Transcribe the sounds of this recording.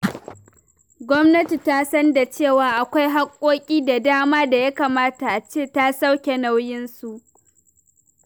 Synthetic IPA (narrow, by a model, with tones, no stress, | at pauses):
ɡʷɔ˦mnɐ˦ti˨ta˦sɐ˦nda˨t͡ʃeː˦˨waː˨ʔa˨kʷa˦jɦa˦kʷʼːoː˦kʲʼiː˦da˨daː˦maː˦da˨ja˦kaː˨maː˦ta˨ʔa˨t͡ʃeː˦˨ta˦sa˦wkʲe˨na˦wjɪ˦nsu˨ʔ